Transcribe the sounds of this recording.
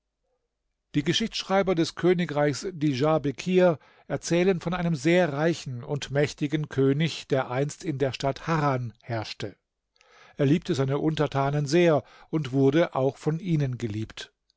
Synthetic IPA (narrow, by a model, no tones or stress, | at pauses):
d̥iːɡəʃɪçt͡ssʃʁ̥aɪbɐdɛskʰøːnɪkʁaɪçsd̥iʒabekʰiːɐ | ʔɛɐt͡sɛːlənfɔnʔaɪnəmzeːɐʁaɪçn̩ʊntmɛçtɪɡn̩kʰøːnɪçd̥eːɐʔaɪnstɪndeːɐʃtathaːʁanhɛɐʃtə | ʔeːɐliːp̚təzaɪnəʔʊntɐtʰaːnənzeːɐ | ʊntv̥ʊɐdəʔaʊxfɔnʔiːnənɡəliːpt